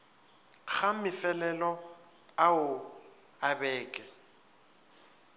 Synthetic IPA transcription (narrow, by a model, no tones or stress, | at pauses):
ɣamɪfɛlɛlɔ | aʊ | abɛːkʼɛ